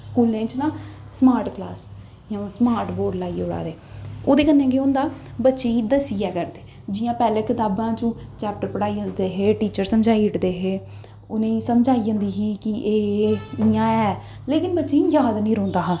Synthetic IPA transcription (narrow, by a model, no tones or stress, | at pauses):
skuːlẽːt͡ʃnãː | smaːɾʈklaːs | jãsmaːɾʈboːɾɖlaːiːʊɽa̰ːd̪eːoːd̪eːkənːẽːk̬eʊnd̪aːbətːʃẽːid̪əsiɛːkəɾd̪eː | d͡ʒɪjãːpɛːleːkɪt̪aːbãːt͡ʃũːt͡ʃɛːp̚ʈəɾpəɽaːiːɦʊnd̪eːɦeːʈiːt͡ʃəɾsəmd͡ʒaːiːɪʈd̪eːɦeː | ʊnẽːsəmd͡ʒaːiːə̃nd̪iːɦiːkɪʔeːɪjãːɛː | leːkɪnbətːʃẽːjaːd̪nĩːɾoːnd̪aːɦãː